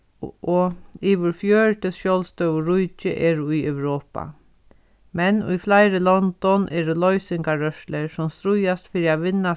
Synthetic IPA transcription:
ʔɔiːʋɪɾfjœːɹʈ̪ɪʃjɔwlst̪œwɹʊjt͡ʃɪ̰ʔɛːɾʊjœwɾoːpa̰ | mɛnʊ̰jflaɪɾɪlɔnt̪ɔnʔɛːɾʊlɔjsɪŋkaɾœʃlɛɹsʊmst̪ɾʊjast̪fiːɾiaʋɪnːa

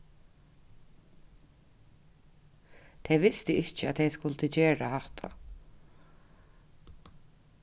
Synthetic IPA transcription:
t̪ʰɛjʋɪst̪ɪɪt͡ʃːɪat̪ʰɛjskʊlt̪ɪt͡ɕeːɹahaht̪ʰa̰

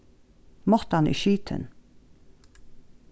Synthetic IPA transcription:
mɔt̪əhɑnḭːʃiːt̪ʰə̰n

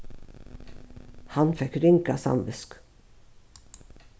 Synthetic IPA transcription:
hɑnfɛkɾɪŋkasɑ̰mʋʉsk

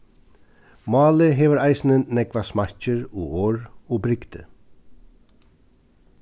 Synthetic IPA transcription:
mɑːləɦeːʋəɾæɪsn̩ənnɛkʋɑsmɑɾc͡çəɹoːoːɹoːbɾɪɡd̪ə̰

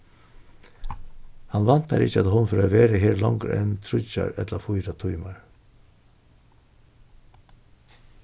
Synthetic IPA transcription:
hɑnʋɑnt̪̚d̪æ̰ːɾɪçəɑt̪hɔnfɔɾoːʋeːɾəɦeːɾlɑŋɡɾ̰ʔɛnt̪ʰɾʊçɑ̰ɾɛ̰t̪lɑfʊʏɾɑt̪ʰʊʏmɑɾ

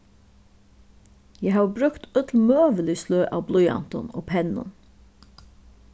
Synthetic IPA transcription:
jæhɑːbɾʉkt̪œt̪ʰlmøːʋəlisløːʔɑ̰ːʋblʊʏɑ̰nt̪ɔ̰no̰ːpʰɛnʊ̰n

